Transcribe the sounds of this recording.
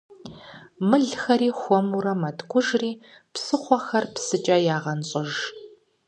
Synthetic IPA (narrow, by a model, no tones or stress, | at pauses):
mɨɮxɐɾiːxʷɔmuɾɐmɐtʰɡʷʰʼʊʒriː | psɨχʷɔxɐrpsɨt͡ʃʼɐjaːʁɐnɕʼɪʒ